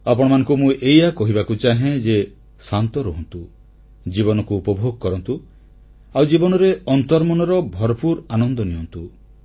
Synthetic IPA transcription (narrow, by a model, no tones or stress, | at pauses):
apɔɽ̃ɔmanɔ̃ŋkumũʔejakɔɦibakut͡ʃaɦẽd͡ʒe | sant̪ɔɾoɦɔnt̪u | d͡ʒiβɔnɔkuːpɔbʱoɡɔkɔɾɔnt̪u | awd͡ʒibɔnɔɾeɔnt̪ɔɾmɔnɔɾɔbʱɔɾɔpuɾanɔnd̪ɔniɔnt̪u